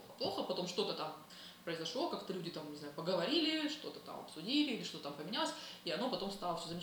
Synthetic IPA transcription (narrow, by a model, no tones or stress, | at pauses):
oxəplˠo̞xəpɐt̪o̞mʂt̪o̞t̪ət̪am | pɾəɪzɐʂlˠo̞kakt̪əlʲʉdʲɪt̪amɲʲɪznajʊpəɡəvɐɾʲilʲɪʂt̪o̞t̪ət̪a̰mɐ̰psʊdʲilʲɪilʲɪʂt̪o̞t̪ət̪ampəmʲɪnʲalˠəsʲiɐno̞pɐt̪o̞mst̪ɑlˠəfʲsʲozəmʲɪ